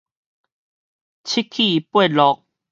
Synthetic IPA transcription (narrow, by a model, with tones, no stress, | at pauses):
t͡ɕʰi˦˥kʰi˥˨pwe˥˨lɔ˧k̚